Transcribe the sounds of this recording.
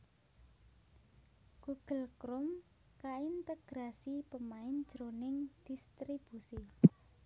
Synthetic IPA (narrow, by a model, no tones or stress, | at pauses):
ɡ̥uɡ̥əlkɾʊm | kaint̪əɡ̥ɾasipəmaɪnd̥ʒ̥ɾonɪŋd̪̥ist̪ɾib̥usi